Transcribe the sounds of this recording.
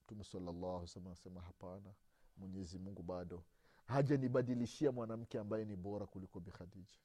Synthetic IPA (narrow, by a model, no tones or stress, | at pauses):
m̩tumɛsalːalːawsalmanasɛmaɦapana | mwɛɲɛzimuŋɡuɓaɗɔ | haʄaniɓaɗiliʃiamwanam̩kɛambajɛniɓɔɾakulikɔbixadid͡ʒḁ